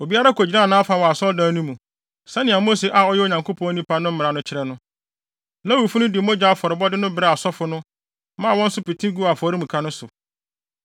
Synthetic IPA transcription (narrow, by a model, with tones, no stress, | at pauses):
o˨bi˦a˦ɾa˦kʰɔ˨d͡ʑi˨nã˦˨nã˦a˦fa˨wɔ˨a˨sɔ˦dãː˦nũ˦mũ˨ | sɛ̃˦nɪ̃˨a˨mo˦se˨ʔa˨ɔ˦jɛ˦o˨ɲã˨ŋkʰo˦pʰɔ̃˦nĩ˦pʰa˦nʊ̃˦m̩˦mɪ̃˨ɾa˨nʊ̃˦t͡ɕʰɪ˨ɾɛ˦nʊ̃˦ | la˦wu˨fu˦nʊ̃˦dɪ˨˦mõ˦d͡ʑa˦fɔ˨ɾɪ˨bɔ˦dɪ˦nʊ̃˦bɪ˨ɾɛ˨a˨sɔ˦fʊ˨nʊ̃˦ | mã˦˨wɔ̃˦n̩˦sʊ˦pi˨tʰĩ˦ɡu˦a˨fɔ˨ɾi˦mũ˨kʰa˦nʊ̃˦sʊ˨